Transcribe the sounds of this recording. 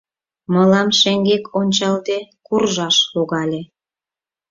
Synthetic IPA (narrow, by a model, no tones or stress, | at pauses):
məlɑmʃeŋɡekʰonʲt͡ɕɑld̪ekurʒɑʃluɣɑlʲe